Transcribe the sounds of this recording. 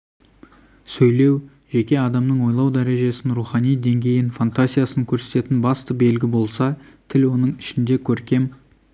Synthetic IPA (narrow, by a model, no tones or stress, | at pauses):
sɵjle̞w | ʒe̞kʲe̞ɑd̪ɑmnəɴwo̞jlˠɑwd̪æɾe̞ʒe̞sɪnɾuχɑnijd̪e̞ŋɡʲe̞jɪnfant̪azijasəŋkʲʰɵɾse̞t̪e̞t̪ɪnbɑst̪əbe̞lɡʲɪbo̞lˠsɑt̪ʰɪlwo̞nəɴɪʃɪnd̪e̞kʲʰɵɾkʲe̞m